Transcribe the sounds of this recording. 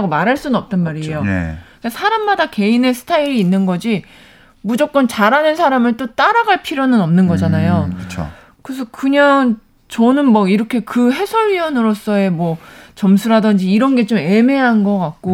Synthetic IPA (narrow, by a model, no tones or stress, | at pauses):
ɡomaɾɦaɭs͈unɯnʌp̚t͈ʌnmaɾiejokasʰaɾamːadake̞ine̞sʰɯ̥tʰaiɾiːnːɯnɡʌd͡ʑi | mud͡ʑʌk̚k͈ʌnt͡ɕaɾanɯnsʰaɾamɯɭt͈ot͈aɾaɡaɭpʰiɾjonɯnʌmnɯnɡʌd͡ʑanajoɯt͡ɕʰo̰ | kɯɾes̬ʰʌkɯɲaŋ | t͡ɕʌnɯnmwʌiɾʌkʰe̞kɯɦe̞sʰʌɭɥiʌnɯɾos͈ʌe̞mwʌt͡ɕʌmsʰuɾadʌnd͡ʑiːɾʌnɡe̞t͡ɕome̞me̞ɦanɡʌk͈ak̚k͈o